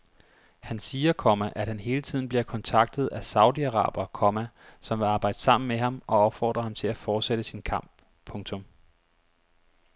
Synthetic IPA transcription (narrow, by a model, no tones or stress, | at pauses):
hænsiːɐkʰɒmæʔæd̥hænɦe̝ːlət͡sʰið̰ˠn̩b̥liɐkʰɒ̽nt͡sʰɑ̈ɡ̥̚d̥ð̞̩ˠæsɑ̈ʊdiæʁɑ̰̈ːb̥ɐkʰɒmæ | sɒ̽mʋe̝ɑ̈ːb̥ɑ̈ɪ̰d̥əsɑ̈m̰n̩meɦɑ̈mʔɒ̽ɒ̽b̥fɒ̰ːd̥ʁɐhɑmt͡sʰe̝læfɒːd̥seɾ̥əsinkʰɑ̈m̰b̥̚ | pʰɔ̽ŋt͡sʰɔ̽m